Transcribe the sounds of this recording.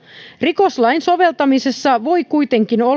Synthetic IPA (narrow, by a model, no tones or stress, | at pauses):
riko̞slɑjnso̞ʋe̞lt̪ɑmisesːɑʋo̞jkujt̪e̞ŋkino